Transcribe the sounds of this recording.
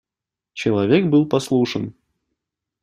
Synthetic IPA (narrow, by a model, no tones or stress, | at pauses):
t͡ɕɪlˠɐvʲekbɨlˠpɐslˠuʂən